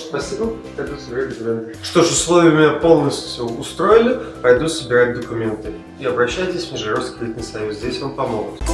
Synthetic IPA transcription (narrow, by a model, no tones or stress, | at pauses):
spɐsʲibə | pɐjd̪usəbʲɪɾatʲd̪əkʊmʲen | ʂt̪o̞ʂʊslˠo̞vʲɪjəʊmʲɪnʲapo̞lˠnəsʲtʲjʊʊst̪ɾo̞jɪlʲɪpɐjd̪usəbʲɪɾat̚ʲd̪əkʊmʲe̞nt̪ɨ | iɐbɾɐɕːæjɪtʲɪsʲvʲmʲɪʐɨɾofskʲɪlʲit̪ʲnɨjsɐjuszʲdʲesʲvampɐmoɡʊt̪